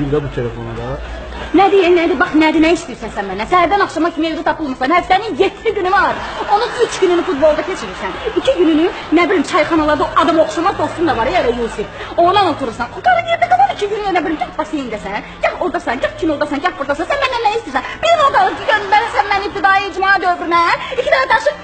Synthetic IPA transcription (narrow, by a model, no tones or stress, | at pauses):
id̪abut̪ʰelefo̰nud̪ɑ | næd̪ijɛnæd̪ibɑχnæd̪inæiʃt̪ijiɾsænsænmænːænsæhæɾd̪ænɑχʃɑmɑχkʰimed̪ɛt̪ʰɑpʰɯlˠmɯsɑnhæft̪æninjet̪ʰːliɟynymɑɾo̞nunyt͡ʃʰɡynynyfut̪̚bo̞lˠd̪ɑcʰet͡ʃʰiɾiɾsænicʰiɟynyny | næbilʲimt͡ʃʰɑjχɑnɑlˠɑɾd̪aʔɑd̪ɑmɑoχʃɑmɑzd̪ost̪und̪ɑvɑɾejæɾɛjusifonɑnot̪ʰuɾuɾsɑnɡɑɾɑjeɾd̪æɡɑlˠɑnicʰiɡynyjænæbilʲimɟɑt̪bɑsejind̪æsænjɑxoɾd̪ɑsɑnɟɑtkʰinolˠd̪ɑsɑnɟɑt̚buɾd̪ɑsɑnsænmænːænːæiʃt̪iɾsænb̥iinoɡ̪ɑlˠɯɡønbæɾsænmænip̚t̪ʰid̪ɑjiid͡ʒmɑd̪øvɾynæicʰid̪ææd̪ɑʃɯ